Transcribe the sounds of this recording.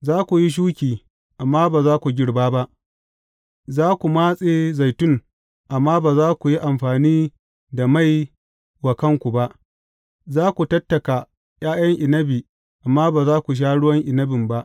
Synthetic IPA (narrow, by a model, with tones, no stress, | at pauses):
zaː˦kʷu˨ji˦ʃ̬uː˦kʲiː˨ | ʔa˨mːaː˦baː˨zaː˦kʷu˨ɡʲɪ˦ɽbaː˦ba˦ʔ | zaː˦kʷu˨maː˦sʼeː˨za˨jtʊ˦ŋ | ʔa˨mːaː˦baː˨zaː˦kʷu˨ji˦ʔa˨mɸaː˨niː˦ | da˨ma˦˨j | wa˨kɐ˦ŋkʷu˨ba˦ʔ | zaː˦kʷu˨tɐ˦tːɐ˨ka˨ | j̰aː˦jɐ˦ŋʔɪ˨nɐ˦bi˨ | ʔa˨mːaː˦baː˨zaː˦kʷu˨ʃ̬aː˦ɽʊ˦wɐ˦ŋʔɪ˨nɐ˦bɪ˨mba˦ʔ